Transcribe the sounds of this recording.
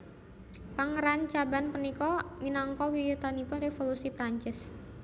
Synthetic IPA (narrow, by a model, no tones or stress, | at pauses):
paŋəɾant͡ʃabanpənikɔminɔŋkɔwijut̪anipʊnrefolusipɾaɲt͡ʃɪs